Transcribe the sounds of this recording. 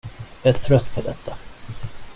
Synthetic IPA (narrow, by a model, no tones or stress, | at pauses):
jɑæʈʰɾœt̪ːpʰɔd̪ɛt̪ʰːa